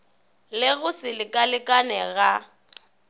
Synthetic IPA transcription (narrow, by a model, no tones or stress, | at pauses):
lɪɣʊsɪlɪkʼalɪkʼanɛɣa